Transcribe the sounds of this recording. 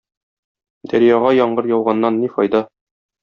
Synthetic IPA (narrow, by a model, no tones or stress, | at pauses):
d̪æɾjæʁɑjɒɴɢɤɾjɒw̪ˠʁɑnːɑnːifɒ̰jd̪ɑ